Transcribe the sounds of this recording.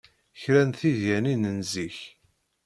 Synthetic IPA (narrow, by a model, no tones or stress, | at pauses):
çɾænθiðjæninənziç